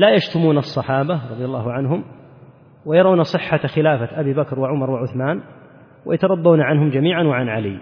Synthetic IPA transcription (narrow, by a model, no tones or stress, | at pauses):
lajaʃt̪ʊmuːnɑsˤːɑħɑːbaɾˤɑðˤjalˤːɑːɦʊʕanɦʊm | wajɑɾˤɑːnasˤɨħːaxɪlaːfaʔabiːbakɾwaʕʊmɑɾˤwaʕʊθmaːn | wa̰jat̪ɑɾˤɑd̪ˤːuːnaʕanɦʊmd͡ʒamiːʕanwaʕanʕalḭː